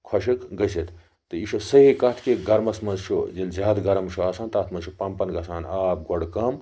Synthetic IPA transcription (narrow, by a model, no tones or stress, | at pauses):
kʰɐʃikɡɐsit̪ | t̪ɨiʃosɐɦikɐt̪ʰkeɡɐɾmɐsmɐnzt͡ʃʰud͡ʒinlzʲaːd̪ɡɐɾɐmʃʰuaːsaːnt̪aːt̪ʰmɐnzt͡ʃʰupɐmpɐnɡɐsaːnaːp̚ɡoɽkɐm